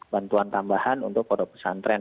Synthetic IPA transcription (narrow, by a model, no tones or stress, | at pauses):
bant̪uant̪ambahanṵnt̪ʊkːodɔpə̥sa̰nt̪ɾɛn